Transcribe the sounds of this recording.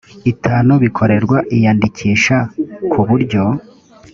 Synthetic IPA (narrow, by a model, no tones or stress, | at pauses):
itʰaːnuβikʰo̞ɾe̞ɾɡwaʔijaːndicʰiːʃakʰuβuɾɟo̞